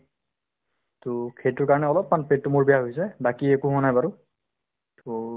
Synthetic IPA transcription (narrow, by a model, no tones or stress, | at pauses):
tʊkʰejtʊɹkaɹɔnɛɔlɔpːmanpet̚tːʊmuɹbijaɦojsɛbakiekuɦɔnajbaɹʊ | tʊ